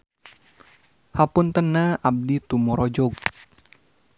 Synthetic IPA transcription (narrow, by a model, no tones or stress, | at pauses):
hapʊnt̪ənaab̚dit̪umɔɾɔd͡ʒɔɡ̚